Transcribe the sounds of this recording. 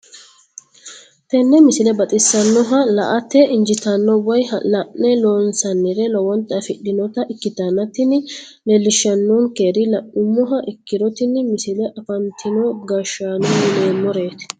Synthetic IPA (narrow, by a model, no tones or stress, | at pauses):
t̪ɛnːɛmɪsɪlɛbɐt̪ʼɪsːɐnːɔɦɐlɐʔɐt̪ːɛʔɪnd͡ʒɪt̪ɐnːɔwɐjlɐʔnɛloːnsɐnːɪɾɛlɔwɔnt̪ʼːɐfɪɗːɪnɔt̪ɐʔɪkːɪt̪ɐnːɐt̪ɪnɪlɛlːɪʃːɐnːoːŋke̞ːɾɪlɐʔʊmːɔɦɐʔɪkːɪɾɔt̪ɪnmɪsɪlɛʔɐfɐnt̪ʰɪnɔɡɐʃaːnonleːmːɔɾe̞ːt̪ɪ̥